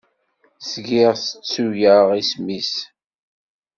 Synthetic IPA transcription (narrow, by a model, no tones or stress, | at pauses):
sɡɪʁsət͡sːuʝjəʁismis